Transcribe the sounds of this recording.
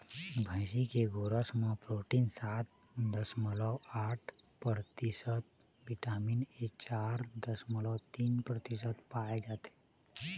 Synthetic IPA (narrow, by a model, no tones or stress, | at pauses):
bʱə̃ɪsikeɡoːɾəsmãpɾoːʈiːnsaːt̪̚ | d̪əsməlɔaːʈʰpɾət̪ɪsət̪̚ | bɪʈaːmineːk̚t͡ʃaːɾd̪əsməlɔt̪iːnpɾət̪ɪs̬ət̪paːed͡ʒaːt̪e